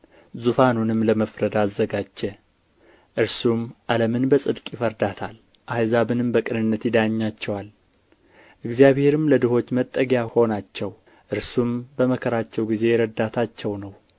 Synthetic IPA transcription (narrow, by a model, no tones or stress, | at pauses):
zufanunɨmləməfɾəd̪aːzːəɡad͡ʒːɛ | ʔɨɾsumʔaləmɨnbəsʼɨd̪kʼjɪfəɾd̪at̪ʰal | ʔajzaβɨnɨmbəkʼɨnɨnːət̪jɪd̪aɲːat͡ʃːɛwal | ʔɨɡzjaβhe̞ɾɨmləd̪ɨho̞t͡ʃːmət̪ʼːəɡjaho̞nat͡ʃːɛw | ʔɨɾsumbəməkʰəɾat͡ʃːɛwɡize̞ɾəd̪at̪ʰat͡ʃːɛwnəw